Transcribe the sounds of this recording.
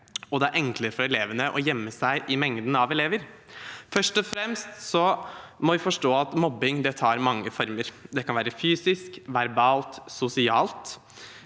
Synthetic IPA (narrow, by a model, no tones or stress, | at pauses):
ɔd̪ɛæɾʔɛŋkləɾəfɔɾɛleːʋənəʔɔjɛmːəsæɪʔɪmɛŋd̪ən̩ɑʋɛleːʋəɾfœʂʈɔfɾɛmst̪sɔmɔʋɪfɔʂʈoːɑt̪mɔbːɪŋd̪ɛt̪ʰɑːɾmɑŋːəfɔɾməɾd̪ɛkʰɑnʋæːɾəfyːsɪskʋæɾbɑːlt̪sʊsɪɑːlt̪